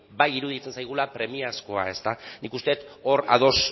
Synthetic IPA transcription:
bajiɾuð̞it͡se̞nsajɣ̞ulapɾe̞miasko̞a̰e̞st̪anikust̪e̞t̪o̞ɾa̰ð̞o̞s

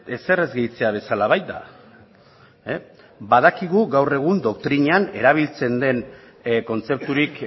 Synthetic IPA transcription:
e̞se̞re̞zɣejt͡se̞aβ̞e̞salaβajt̪̚d̪a̰ | bað̞akiɣuɣawre̞ɣ̞und̪o̞kt̪ɾiɲeane̞ɾaβ̞ilt͡se̞nd̪e̞n | ko̞nt͡se̞p̚t̪uɾik

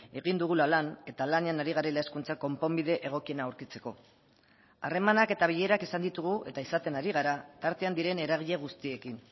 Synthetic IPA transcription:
e̞ɣ̞ind̪uɣ̞ulalane̞t̪alaneanaɾiɣaɾelaeskunt͡sako̞mpo̞mbiðe̞ʔeɣ̞o̞kie̞naːwɾkit͡se̞ko̞ | are̞manake̞t̪aβiʎe̞ɾakisand̪it̪uɣ̞uʔe̞t̪aisat̪e̞naɾiɣ̞aɾat̪aɾt̪e̞and̪iɾe̞ne̞ɾaɣ̞iʎe̞ɣust̪ie̞kin

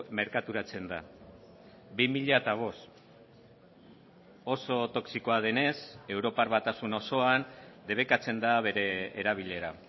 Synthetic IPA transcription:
me̞ɾkat̪uɾat͡se̞nd̪a̰ | bimiʎaet̪aβ̞o̞s | o̞so̞t̪o̞ksiko̞að̞e̞ne̞se̞wɾo̞paɾβat̪asuno̞so̞and̪e̞β̞e̞kat͡se̞nd̪aβ̞e̞ɾe̞ːɾaβ̞iʎe̞ɾa

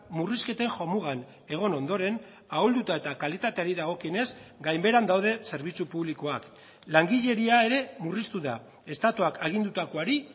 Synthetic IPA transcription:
muriske̞t̪e̞ŋʝo̞muɣ̞an | e̞ɣ̞o̞no̞nd̪o̞ɾe̞n | aold̪ut̪ae̞t̪akalit̪at̪e̞aɾiðaɣ̞o̞kiene̞zɡajmbe̞ɾand̪awð̞e̞se̞ɾβ̞it͡supuβlikoak | laŋɡiʎe̞ɾiae̞ɾe̞murist̪uða | e̞st̪at̪uakʰaɣ̞ind̪ut̪akoaɾi

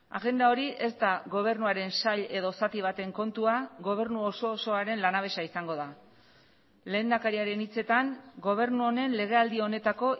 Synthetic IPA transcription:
a̰ɣe̞nd̪ao̞ɾiʔe̞st̪aɣo̞β̞e̞ɾnuaɾe̞nsaʎe̞ðo̞sat̪iβ̞at̪e̞ŋko̞nt̪uaɣo̞β̞e̞ɾnuo̞so̞ːso̞aɾe̞nlanaβe̞saisaŋɡo̞ða | le̞ːnd̪akaɾiaɾe̞nit͡se̞t̪aŋɡo̞β̞e̞ɾnuo̞ne̞nle̞ɣ̞e̞ald̪io̞ne̞t̪ako̞

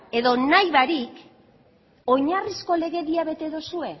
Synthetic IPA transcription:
e̞ðo̞najβaɾik | o̞ɲarisko̞le̞ɣe̞ðiaβe̞t̪e̞ðosue̞

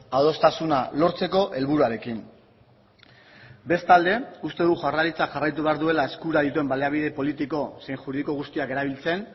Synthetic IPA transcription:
aðo̞st̪asunalo̞ɾt͡se̞ko̞ʔe̞lβuɾuaɾe̞kin | be̞st̪ald̪e̞ust̪e̞ðuʝaraɾit͡sakxarajt̪̬uβe̞aɾðue̞lae̞skuɾaðit̪ue̞mbaleaβiðe̞po̞lit̪iko̞se̞jŋxuɾiðiko̞ɣust̪iake̞ɾaβilt͡se̞n

